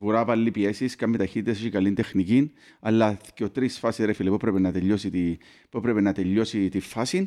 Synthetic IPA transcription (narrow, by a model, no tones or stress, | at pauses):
puɾapɐlːipiesiskɐmːet̪ɐçit̪ːit̪es̬oçikɐlind̪exnicinɐlːɐceot̪ɾisfɐsisɾefilipuepɾepenɐt̪eʎːosit̪i | puepɾepenɐt̪eʎːo̞sit̪ifɐsin